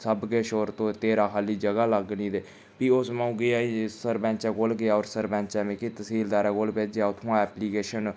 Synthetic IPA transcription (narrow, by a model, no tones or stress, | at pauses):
səbkeːʃoːɾt̪õːt̪eːɾaːkaːliːd͡ʒəɡaːləɡniːd̪eː | piːosmaũːɡɪaːisəɾbɛ̃ːt͡ʃɛ̃ːkoːlɡɪaːoːɾsəɾbɛ̃ːɲt͡ʃɛ̃ːmẽːkit̪əsiːld̪aːɾɛːkoːlpeːd͡ʒeaːʊt̪ʰõãɛːpliːkeːʃən